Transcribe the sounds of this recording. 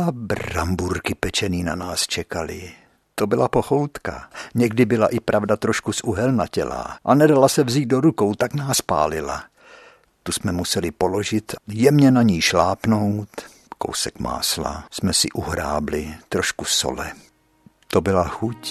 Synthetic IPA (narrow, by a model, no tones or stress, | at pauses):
abrambuɾkɪpɛt͡ʃɛniːnanaːst͡ʃɛkalɪ | t̪o̞bɪlapoxowt̪ka̰ɲɛɡdɪbɪlaʔɪpɾʔavdat̪ɾo̞ʃkusʔuɦɛlnacɛ̰la̰ʔanɛdalasɛvziːd̪̚do̞ɾukowt̪aknaːspa̰ːlɪla̰ | t̪usmɛmusɛlɪpo̞lo̞ʒɪt̪jɛmɲɛnaɲiːʃlaːpno̞wt̪ | ko̞̰wsɛkma̰ːsla̰smɛsɪ̰ʔuɦɾaːblɪt̪ɾoʃkuso̰lɛ | t̪obɪlaxuc